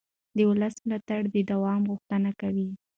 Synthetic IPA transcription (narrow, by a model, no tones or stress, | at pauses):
d̪əwʊləsmlɑt̪aɽd̪əd̪awɑmɣuxt̪ənakawi